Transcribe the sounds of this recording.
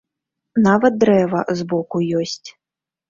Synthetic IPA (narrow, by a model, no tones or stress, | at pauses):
navɐt̪̚d̪ɾɛvɐzbɔkujɔsʲt͡sʲ